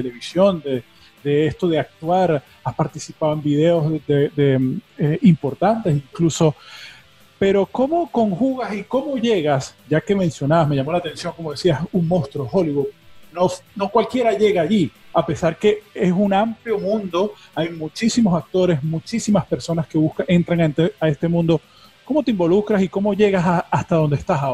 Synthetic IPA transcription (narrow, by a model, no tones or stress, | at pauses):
eleβisjo̞nd̪e | d̪̥eest̪o̞ðe̞ak̚t̪waɾ | aspaɾt̪isipaðoembið̞e̞ozd̪ed̪eeimpo̞ɾt̪ant̪e̞siŋkluso̞ | pe̞ɾo̞ko̞mo̞ko̞ŋxuɣasiko̞mo̞ʝe̞ɣasɟ͡ʝake̞mẽ̞nsjo̞naβasme̞ʝamolat̪ẽ̞nsjo̞ŋko̞mo̞ð̞esiasuŋmõst̪ɾoxo̞liβud̪̚no̞no̞kwalkje̞ɾaʝe̞ɣaaʝiape̞saɾke̞esunampljo̞mũnd̪o̞ | ajmut͡ʃisimo̞sak̚t̪o̞ɾe̞smut͡ʃisimaspe̞ɾso̞naske̞βuskae̞nt̪ɾaŋant̪eae̞st̪e̞mũnd̪o̞ | ko̞mo̞t̪e̞imbo̞lukɾasiko̞mo̞ʝe̞ɣasaːst̪aðo̞nd̪est̪asao